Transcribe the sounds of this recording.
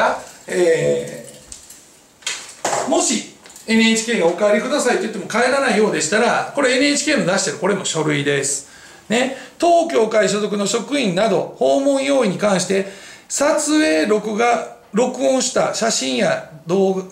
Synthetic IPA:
aeː | mo̞ɕie̞nɯeːt͡ɕi̥kʲe̞ːɡao̞kaaɾʲikɯ̟d̪asait̪oji̥t̪ːe̞mo̞kae̞ɾanaijo̞ːd̪e̞ɕi̥t̪aɾako̞ɾe̞enɯ̟et͡ɕi̥kʲe̞ːmod̪aɕi̥t̪e̞ɾɯ̟ko̞ɾe̞mo̞ɕo̞ɾɯ̟id̪e̞sɨ̥ | ne̞t̪o̞ːkʲo̞ːkaiɕ̬ozo̞k̬ɯ̟no̞ɕo̞kɯ̟ĩnnːad̪o̞ho̞ːmõ̞ɰ̃jo̞ːiɲ̟ikãɰ̃ɕi̥t̪e̞sat͡sɨe̞ːɾokɯ̟ɡa | ɾo̞kɯ̟õɰ̃ɕi̥t̪aɕaɕĩɰ̃jad̪oː

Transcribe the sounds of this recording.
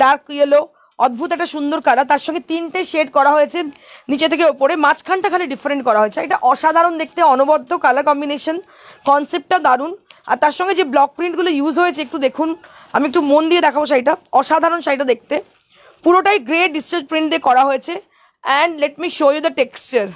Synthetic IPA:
ɖaɾkːielo | ɔd̪̚bʱut̪ɛk̚ʈaʃund̪oɾkalat̪aɾʃɔŋɡet̪inʈajʃeɖkɔɾaɦojet͡ɕʰe | nit͡ɕet̪ʰekeopoɾemãt͡ɕkʰanʈakʰaleɖifeɾeɳʈ̚kɔɾaɦoet͡ɕʰeeʈaʔɔʃad̪ʱaɾond̪ek̚ʰt̪eɔnobɔd̪ʱːokalakɔmbineʃon | kɔnsep̚ʈad̪aɾuna̰ɾt̪aɾʃɔŋɡed͡ʑeblɔk̚pɾiɳʈɡulojuzɦojet͡ɕʰeek̚ʈud̪ekʰun | a̰miek̚ʈumond̪ied̪ɛkʰaboʃajʈaɔʃad̪ʱaɾonʃajʈad̪ek̚t̪e | puɾoʈajɡɾeʈ̚ɖist͡ɕaɾd͡ʑpɾiɳʈd̪ekɔɾaɦojet͡ɕʰe | ɛɳɖleʈmiʃojud̪ɐʈekst͡ɕaɾ

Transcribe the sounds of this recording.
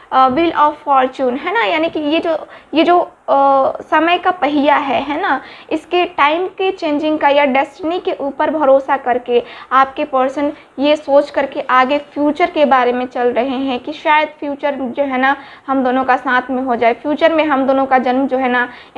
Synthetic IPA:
ʋɪlɔːffɔːɾt͡ʃuːnɦɛːnajaːnikijed͡ʒoːjed͡ʒoː | sɐməjkapɐɦɪjaɦɛɦɛːnaɪskeʈaːɪmket͡ʃẽːɲd͡ʒɪ̃ŋɡkajaɖɛsʈnikeʔuːpəɾbʱɐɾoːsakɐɾkeaːp̚kepəɾsən | jesoːt͡ʃkɐɾkeʔaːɡefʰjuːt͡ʃəɾkebaːɾemẽt͡ʃɐlɾɐɦeɦɛ̃kiʃaːjəd̪fjuːt͡ʃəɾd͡ʒoːɦɛːna | ɦɐmd̪oːnõkasãːt̪ʰmẽɦod͡ʒaːefʰjuːt͡ʃəɾmẽɦɐmd̪oːnõkad͡ʒɐnmd͡ʒoːɦɛːna

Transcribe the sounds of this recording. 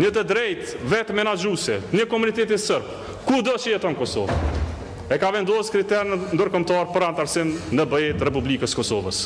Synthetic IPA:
ɲət̪əd̪ɾɛjt̪ | vɛt̪mɛnad͡ʒusɛɲəkɔmunit̪ɛt̪̬isəɾb̚ | kud̪ɔt͡ʃəjɛt̪ɔnkɔsɔ̰v̰ | ɛkavɛnd̪ɔskɾit̪ɛɾnənd̪əɾkɔmt̪ɑɾpəɾant̪aɾsimnəbəɛt̪rɛp̬ublikəskɔsɔvə̰s

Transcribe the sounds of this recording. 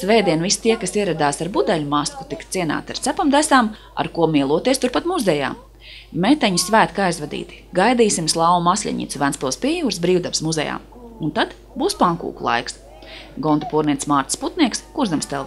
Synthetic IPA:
svɛːjd̪iɛnvist̪iɛkasiɛɾad̪aːsaɾbud̪ɛʎumasku̥t̪ikt̪siɛna̰ːt̪iaɾt̪sæpamd̪æsaːm | a̰ɾkuɔmiɛlˠuɔt̪iɛst̪uɾpat̪muzɛja̰ː | met̪ɛɲusvæːt̪kajzvad̪ḭːt̪i̥ɡajd̪iːsimslˠɑwumasʲʎʲɛ̰ɲḭt̪suvænspulˠspiɛjuːɾsbɾiːwd̪apsmuzɛ̰ja̰ːm | unt̪at̪ | buːspaŋkṵːkulˠa̰jks | ɡɔnt̪upuɔɾniɛt̪smaːɾt̪i̥sput̪niɛkskuɾzamst̪ɛlˠ

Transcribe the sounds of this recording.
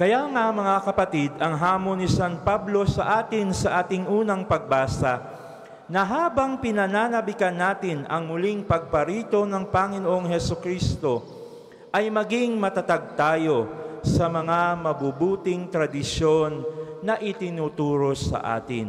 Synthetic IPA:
kɐjaŋamɐŋakɐpɐt̪id̪ɐŋɦaːmonːɪsanpablo̞sɐʔaːt̪ɪnsɐʔaːt̪ɪŋʔuːnɐŋpɐɡ̚baːsɐ | nɐɦaːbɐŋpɪnɐnaːnɐbɪkɐnːaːt̪ɪnɐ̰ŋmʊliŋpɐɡ̚pɐɾiːt̪o̞nɐŋpɐŋɪnoʔoŋɦɛsokɾiːst̪o̞ | ʔɐjmɐɡiŋmɐt̪ɐt̪ɐɡ̚t̪aːjo̞sɐmɐŋamɐbubuːt̪ɪŋt̪ɾɐd̪ɪʃo̞nːɐʔɪt̪ɪnuːt̪uːɾo̞sɐ̰ʔa̰ːt̪ɪ̰n

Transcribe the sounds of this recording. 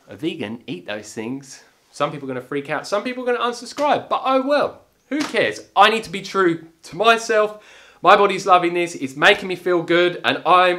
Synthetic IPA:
ə̰viɡɨ̰̃niˑʔ̪̚ðo̰ʊz̥θɪ̃ŋz̥ | sʌ̃mpipl̩ˠɡʌ̃nəfɹikʰaʊtsʌ̃mpipl̩ˠɡʌñəʌ̃nsə̥skɹaɪb̚b̥ʌtoʊwɛlˠ | hʉkʰɛɹzʔaɪñid̚tʰəbitʰɹ̥ʉtʰəmaɪsɛlˠf | maɪbɑɾizlʌvɪ̃ŋðɪsɪzmeɪkɪ̃ŋmifilˠɡʊɾə̰̃nãɪ̃m

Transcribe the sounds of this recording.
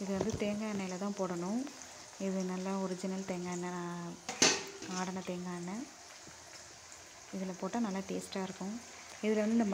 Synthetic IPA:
ɪðɯʋɐnd̪ɯt̪eːŋɡaːnːɐjɪlɐt̪ãːpoːɽɐnʊ̃ | ɪðɯnɐlːaɔɾɪd͡ʒɪnɐlt̪eːŋɡaːɛnːɐnãː | aːɽɐnɐt̪eːŋɡaːnːɐ | ɪðɪlɐpoːʈːãːnɐlːaʈeːsʈaːɪɾɯkːʊ̃ | ɪðɪlɐʋɐnd̪ɯnɐm

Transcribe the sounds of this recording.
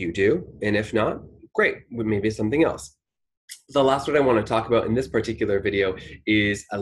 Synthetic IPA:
ɨdʉɨ̃nɨfnət̚ɡ̥ɹeɪt̚wmeɪbisʌ̃mθɪ̃ŋɛ̰lˠs | ðəlæst̚wʌɾaɪwɑ̃ñɨtʰɔkəbaʊɾɨ̰̃nðɪspʰə˞tʰɪkjl̩ˠə˞vɪɾioʊɪzə

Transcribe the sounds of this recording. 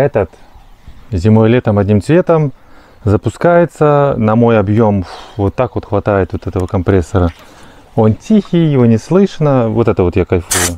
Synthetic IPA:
ɛt̪ət̪ | zʲɪmo̞jlʲet̪əmɐdʲnʲimt̪svʲe̞t̪əm | zəpʊskajɪt̪sənɐmo̞jɐbjo̞mvot̪ːakvo̞t̪xvɐt̪ajɪt̪vot̪ɛt̪əvəkɐmpɾʲesːəɾə | o̞ntʲixʲɪjːɪvonʲɪslˠɨʂnəvot̪ɛt̪əvo̞t̪jakɐjʲfujʊ

